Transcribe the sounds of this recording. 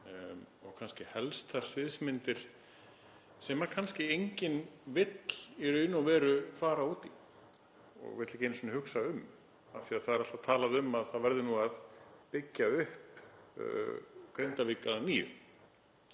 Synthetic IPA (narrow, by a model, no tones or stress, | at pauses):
ɔɣkʰanscɪhɛlst̪ʰḁsvɪðsmɪnt̪ɪɾ̥ | sɛmaɾkʰanscɪejɲcɪnvɪt̪l̥ɛɾʏɪnːavɛːɾʏfaːɾauːt̪i | ɔ̰ɣvɪt̪lɪkcɛjnɪsnɪhʏksaʏm | aθiaðθaðɛɾalt̪at̪ʰaːlaðʏmaðθaðvɛɾðɪnuaðpɪcːaʏhp | kɾejnt̪avɪkaðaniːʏ̰